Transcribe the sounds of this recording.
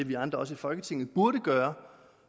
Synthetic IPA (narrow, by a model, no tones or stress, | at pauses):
eʋiɑ̈nd̥ʁɐɒ̽s̬əifɒ̽lɡ̥ət͡sʰe̝ŋn̩ˠb̥uɐɾəɡ̥ɶːɐ